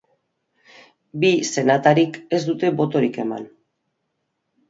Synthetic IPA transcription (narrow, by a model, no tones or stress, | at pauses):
bise̞nat̪aɾike̞zd̪ut̪e̞bo̞t̪o̞ɾike̞ma̰n